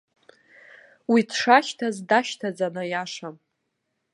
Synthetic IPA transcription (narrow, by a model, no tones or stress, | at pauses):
widʰʂaʃtʰazdaʃtʰad͡zanɨjaʂam